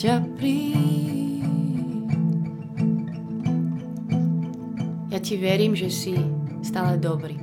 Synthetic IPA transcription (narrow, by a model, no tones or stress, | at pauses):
apɾi | jaːciʋɛɾiːmʒɛsist̪aːlɛd̪ɔbɾiː